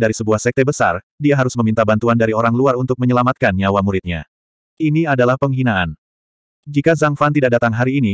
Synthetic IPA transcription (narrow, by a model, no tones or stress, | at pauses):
daɾisəbuahsɛk̚t̪ebəsa̰rdiaɦaɾʊsməmint̪abant̪uandaɾioɾaŋluarunt̪ʊk̚məɲəlamat̪̚kanɲawamuɾɪt̪̚ɲa̰ | ʔiniadalahpəŋɦinaan | d͡ʒikazaŋfant̪idak̚dat̪aŋɦaɾiːni